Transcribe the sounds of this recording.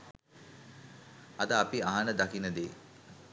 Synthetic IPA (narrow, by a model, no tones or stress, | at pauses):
ɐd̪əapiaɦanəd̪akinəd̪e